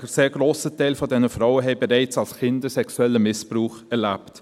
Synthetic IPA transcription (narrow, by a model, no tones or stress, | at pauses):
əseːɾɡɾoːsətɛɪlfɔdɛnəfɾaʊwəɦɛɪbɛɾɛɪt͡salskɪndəsɛksuɛlːəmɪspɾuːχɛɾlapt